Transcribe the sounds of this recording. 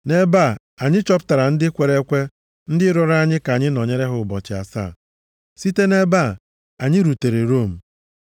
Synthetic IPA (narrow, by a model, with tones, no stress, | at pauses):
ne˦ba˦˨ | a˨ɲɪ˦t͡ʃɔ˦pta˨ɾa˨n̩˦dɪ˦kʷe˨ɾe˦kʷe˦ | n̩˦dɪ˦ɾɔ˦ɾa˦ɲɪ˦ka˨ɲɪ˦nɔ˨ɲe˦ɾe˦ɦʊ˨bɔ˨t͡ʃɪ˨a̰˨sa̰˦˨ | si˦te˦ne˦ba˦˨ | a˨ɲɪ˦ɾu˨te˨ɾe˨ɾo˦˨m̩˨